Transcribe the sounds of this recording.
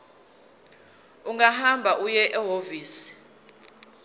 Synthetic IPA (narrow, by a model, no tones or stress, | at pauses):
uŋaɦambʱaʔujɛʔɛɦoviːsi̥